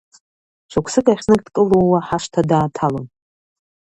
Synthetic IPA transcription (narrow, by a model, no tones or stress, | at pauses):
t͡ʃʷʰakʷʰsɨkʼaχʲnɨkʼdkʼɨlowaħaʂtʰadaːtʰalon